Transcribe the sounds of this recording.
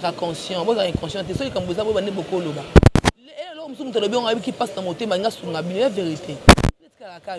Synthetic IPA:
kakɔ̃sjɔ̃bozakɛ̃kɑ̃sjɔ̃t̬ɛsoikãmboezabobandebokolobaelɔkmismut̬lobiŋaeikipasnamotemalĩŋɡasukŋɡabinojaveʁiteekakaka

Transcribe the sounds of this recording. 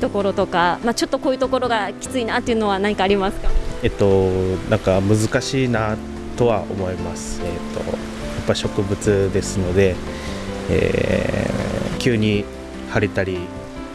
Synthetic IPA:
t̪o̞ko̞ɾo̞t̪o̞kamat͡ɕo̞t̪ːo̞ko̞ːjiɯ̟t̪oko̞ɾo̞ɡakʲi̥t͡sɨinat̪ːe̞iɯ̟no̞β̞anãɲ̟ikaːɾʲimasɨ̥kae̞t̪ːo̞nʔãŋkamɯ̟zɨkaɕiːna | t̪o̞βao̞̰mo̞imasɨ̥et̪ːo̞̰ | japːaiɕo̞kɯ̟bɯ̟t͡sɨd̪e̞sɨno̞d̪e̞ | ḛː | kʲɨːɲ̟i | haɾet̪aɾʲi

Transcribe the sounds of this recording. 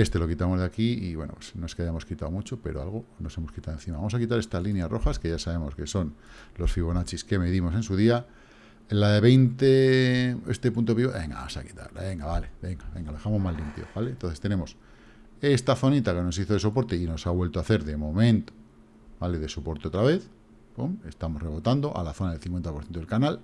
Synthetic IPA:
e̞st̪e̞lo̞kit̪amo̞zðakiiβwe̞̰no̰pwe̥sno̞e̞skeajamo̞skit̪aomut͡ʃo̞pe̞ɾoalɣ̞o̞no̞se̞moskit̪awe̞nθimaβamo̞sakit̪aɾe̞st̪alinjasrʔo̞̰xaske̞ʝasaβ̞e̞mo̞ske̞so̞nlosfiβ̞onat͡ʃiske̞meðimo̞sensuð̞ia | ellaðe̞βe̞jnt̪e | ḛst̪e̞punt̪̬o̞βiβoβḛŋɡa̰βa̰sa̰ki̥t̪a̰ɾlaβe̞ŋɡaβale̞be̞ŋɡaβe̞ŋɡaloðexamomalːimpjo̰βalent̪onθest̪e̞nẽ̞mo̞s | e̞st̪aθo̞nit̪ake̞no̞siθo̞ð̞e̞sopo̞ɾt̪eino̞saβwe̞lt̪oaθe̞ɾðe̞mõ̞mẽnt̪o̥ | bale̞ðe̞sopo̞ɾt̪eot̪ɾaβe̞θ | bome̞st̪amo̞sreβo̞t̪and̪o̞ʔa̰laθo̞naðelθiŋkwenapoɾθjent̪elkanal

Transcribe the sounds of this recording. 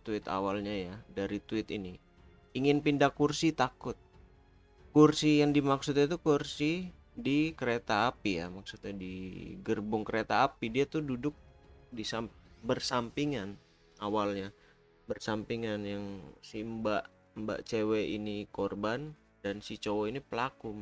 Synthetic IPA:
t̪uɪt̪a̰walɲajadaɾit̪uɪt̪ini | iŋɪnpindakursit̪akʊt̪̚ | kursijaŋdimaksut̪ɲat̪ukursi | dikəɾet̪aːpija̰maksut̪ɲadiɡərbʊŋkəɾet̪aːpidiat̪ududʊk̚disabərsampiŋan | awalɲa | bərsampiŋanjaŋsimbaʔ | mba̰ʔt͡ʃeweinikorban | dansit͡ʃowoinipəlakum

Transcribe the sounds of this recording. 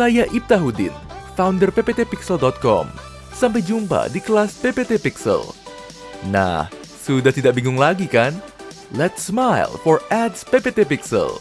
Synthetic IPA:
sajaʔip̚t̪aɦudɪ̰nfawndərpepet̪epiksəldɔt̪̚kɔ̰m | samp̬ajd͡ʒumpa̰dikəlaspepet̪epiksə̰l | na̰h | sudaht̪idaʔbiŋʊŋlaɡikan | lɛt̪smajlfɔrɛdspepet̪epiksə̰l

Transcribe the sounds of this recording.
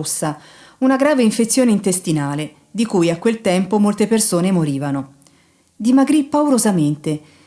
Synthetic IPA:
sːa | unaɡɾaːveiɱfet̪sːjoːneint̪est̪inaːle | d̪ikujakwelt̪ɛmpomolt̪epersoːnemoɾiːvano | d̪imaɡɾipːauɾozament̪e

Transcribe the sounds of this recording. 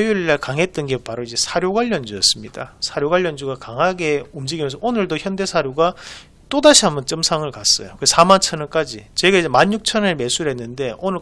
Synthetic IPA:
juɭːakaŋɦe̞t̚t͈ʌnɡe̞paɾoid͡ʑe̞sʰaɾjoɡaʎːʌnd͡ʑujʌs͈ɯmɲidasʰaɾjoɡaʎːʌnd͡ʑuɡakaŋɦaɡe̞umd͡ʑiɡimjʌnsʰʌonɯɭdoçjʌnde̞sʰaɾjoɡa | t͈odaɕʰiɦamunt͡ɕ͈ʌmsʰaŋɯɭkas͈ʌjokɯsʰamant͡ɕʰʌnɯk͈ad͡ʑit͡ɕe̞ɡaid͡ʑemaɲjuk̚t͡ɕʰʌneme̞sʰuɾɦe̞nːɯnde̞onɯɭ

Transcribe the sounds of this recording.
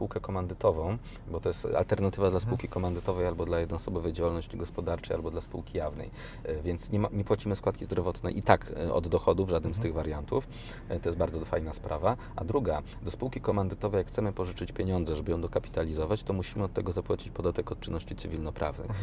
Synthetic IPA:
spuwkɛkɔmand̪ɘt̪ɔvɔ̃w̃ | bɔt̪ɔjɛst̪a̰lt̪ɛɾnat̪ɘvad̪laspuwkʲikɔmand̪ɘt̪ɔvɛjalbɔd̪lajɛd̪nɔsɔbɔvɛd͡ʑawalnɔɕt͡ɕiɡɔspɔd̪aɾt͡ʂɛja̰lbɔd̪laspuwkʲijavnɛ̰j | vʲjɛnt̪sɲɛɲɛpwat͡ɕimɘskwat̪kʲizd̪ɾɔvɔt̪nɛ̰jʔit̪akʔɔ̰d̪d̪ɔxɔd̪uvʐad̪nɘmst̪ɘɣvaɾʲjant̪uf | t̪ɔjɛst̪̚baɾd̪zɔfajnaspɾʔava | a̰d̪ɾuɡa | d̪ɔspuwkʲikɔmand̪ɘt̪ɔvɛjakxt̪sɛmɘpɔʐɘt͡ʂɘt͡ɕpʲjeɲɔnd̪zɛʐɛbɘjɔ̃w̃d̪ɔkapʲi̥t̪alʲizɔvat͡ɕt̪ɔmuɕimɘɔt̪ːɛɡɔzapwat͡ɕi̥t͡ɕpɔd̪at̪ɛkɔt̪̚t͡ʂɘnːɔɕt͡ɕit̪sɘvʲilnɔpɾa̰vnɘ̰x

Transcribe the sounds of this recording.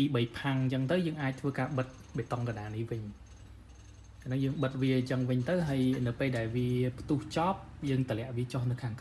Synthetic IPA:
tiːɓəjpʰaŋt͡ɕəŋt̪ɨwjəːŋʔaːc̚t̪ʰʋəːkaːɓɨt̪̚ | ɓeːt̪ɑŋkanɗaːnihʋɨɲ | anɨŋjəːŋɓɨt̪̚ʋiət͡ɕəŋʋɨɲt̪ɨwɦaəjnɨwpeːlɗaɛlʋiəpʰt̪uht͡ɕɑːp̚jəːŋt̪əlɛ̆əʔʋiət͡ɕohnɨwkʰaːŋk

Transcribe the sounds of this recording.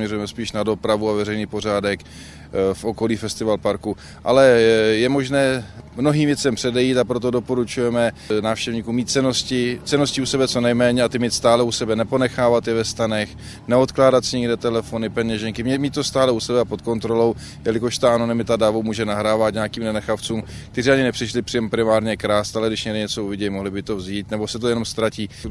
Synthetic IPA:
mɲɛrujɛmɛspiːʃnado̞pɾavuavɛrɛjniːpo̞r̝aːdɛk | fʔo̞ko̞liːfɛst̪ɪvalpaɾku | ʔa̰lɛjɛmo̞ʒnɛːmno̞ɦiːmvjɛt͡sɛmpr̝̥ɛdɛjiːt̪apɾo̞t̪̬odo̞po̞ɾut͡ʃujɛmɛnaːfʃcɛvɲiːkuːmiːt̪̚t͡sɛnoscɪt͡sɛnoscɪusɛbɛt͡so̞nɛjmɛːɲɛat̪ɪmiːt̪st̪aːlɛusɛbɛnɛpo̞nɛxaːvat̪jɛvɛst̪anɛx | nɛo̞t̪klaːdat̪sɪɲɛɡdɛːt̪ɛlɛfo̞nɪpɛɲɛʒɛŋkɪmɲɛmiːt̪ːo̞st̪aːlɛusɛbɛapot̪̚ko̞nt̪ɾo̞lo̞w | jɛlɪkoʃt̪aʔano̞nɪmɪt̪adavowmuːʒɛnaɦɾaːvat̪ɲaakiːmnɛnɛxaft͡suːm | kt̪ɛzɪaɲɪnɛprɪʃlɪpr̥ɪjɛmpɾɪmaːɾɲɛkɾaːst̪alɛɡdɪʃɲɛɡdɪɲɛt͡so̞uvɪɟɛjmoɦlɪbɪt̪o̞vziːt̪nɛbosɛt̪ojɛno̞mst̪ɾaciː

